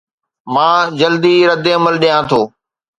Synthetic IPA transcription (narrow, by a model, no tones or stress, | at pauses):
mãːd͡ʑəld̪iːɾəd̪eəməlɗijãːt̪ʰoː